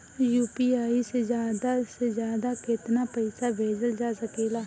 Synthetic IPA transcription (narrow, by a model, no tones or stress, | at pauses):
juːpiːaːised͡ʒjaːd̪aːsezjaːd̪aːkɪt̪naːpəɪsaːbʱeːd͡ʒəld͡ʒaːsəkeːlaː